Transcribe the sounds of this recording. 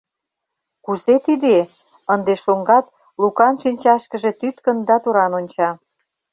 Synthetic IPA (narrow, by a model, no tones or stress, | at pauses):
kuzet̪id̪e | ənd̪eʃoŋɡɑt̪̚ | lukɑnʃinʲt͡ɕɑʃkə̆ʒet̪yt̪kə̆nd̪ɑt̪uɾɑnonʲt͡ɕɑ